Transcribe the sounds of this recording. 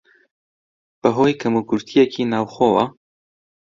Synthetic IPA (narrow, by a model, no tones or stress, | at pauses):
b̥əɦoːjkʰɐmuːkʊɾt̪ʰijɛkʰiːnaːwxowɐ